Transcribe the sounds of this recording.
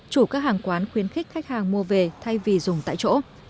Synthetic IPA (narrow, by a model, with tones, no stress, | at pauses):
t͡ɕu˧˩kaː˦˥k̚haː˨˩ŋkwaː˨˦nxwi˨˦ənxi˦˥k̟̚xa˦˥k̚haː˨˩ŋmu˧əve˨˩t̪ʰa˧jvi˨˩zʊ˨˩ŋ͡mt̪a̰ː˧˨jt͡ɕo̰˧˥